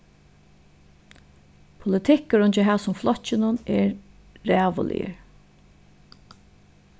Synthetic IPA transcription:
pʰʊlɪt̪ʰɪkːəɾʊnt͡ʃɪɦæːsʊmflɔt͡ʃːɪnʊnɛɹ | ɾæːʋʊ̰lʔɪ̰ə̰ɾ

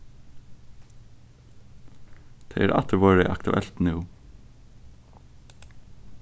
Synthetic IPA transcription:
d̪̥ʰḛːʔeːɾʔɑ̰t̪əɾʋoːɾəʔɑ̰kt̪ʉ̰ʔɛlt̪nɪʊ

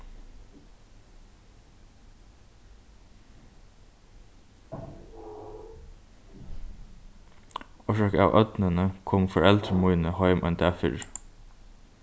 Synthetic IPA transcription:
ɔʃɑkəɑ̰ːʋʔœt̪nənəkʰɔmfɔɹɛlt̪ɾəmuʏnəhɑʏmʔɛ̰nd̪æfɪ̰ɾ

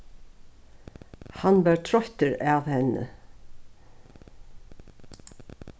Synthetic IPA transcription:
hanvɛɾt̪ʰɾɔht̪əɾavhɛnːə̰

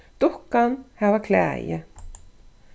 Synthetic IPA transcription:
t̪ʊhkanhɛvakʰlɛ̰ːjɪ̰

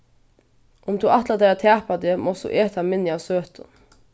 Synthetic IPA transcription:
ʊmd̪uʔat̪lad̪ɛat̪ʰæːpad̪ɪmɔsd̪ṵːʔɛːt̪ʰamɪnːjaʋsøːt̪ən

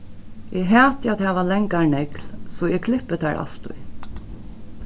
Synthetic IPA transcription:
ʔɛɦæːt̪jat̪haːʋalɛŋkanɛklsɔɛkʰlɪpːət̪ʰæɹʔa̰l̥t̪ʊ̰j

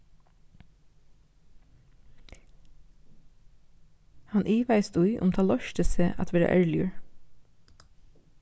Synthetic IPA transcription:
hɑnʔiːʋæɪst̪uɪʔʊ̰mt̪ʰɑːlɔʃt̪ʰɪseːʔɑ̰t̪ʰʋeːɾə̰ʔæ̰ɹlɪəɹ

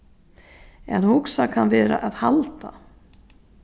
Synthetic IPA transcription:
ɛ̰nhʊksakʰanvɛːɾa̰ʔaðhalt̪a

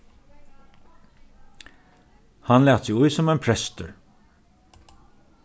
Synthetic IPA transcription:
hanlæːt̪sɪujsɔmæɪnpʰɹɛst̪əɹ

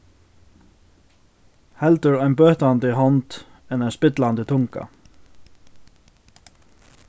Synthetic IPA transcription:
hɛlt̪əɹæɪnbøːht̪and̪ɪɦɔnt̪ | ɛnɛɪnspɪt̪land̪ɪt̪ʰʊŋka̰

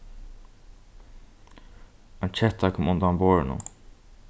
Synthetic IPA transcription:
ant͡ʃʰɛht̪ːakʰɔːmʊnd̪amboːɹɪnʊ̰

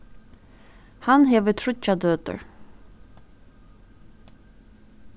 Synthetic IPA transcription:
hɑnheːʋət̪ʰɹʊcad̪øːt̪ə̰ɹ

